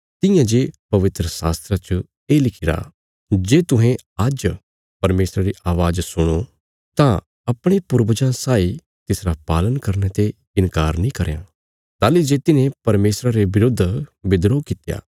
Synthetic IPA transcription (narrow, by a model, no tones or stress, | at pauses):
t̪ɪ̃jãd͡ʒeːpɐʋɪt̪ɾəsaːst̪ɾat͡ʃə | eːlɪkʰɪɾa̰ | d͡ʒeːt̪ʊ̃ɦẽad͡ʒ | pɐɾmeːsɾaɾiʔaːʋaːd͡ʒsʊɽ̃o | t̪ã | ɐpɽ̃epʊɾbəd͡ʒãsaːi | t̪ɪsɾapaːlənkɐɾnet̪e | ɪ̃nkaːɾnĩkɐɾjã̰ | t̪aːlid͡ʒeːt̪ɪnẽpɐɾmeːsɾaɾeʋɪɾʊd̪ʱːbɪd̪ɾokɪt̪ja̰ː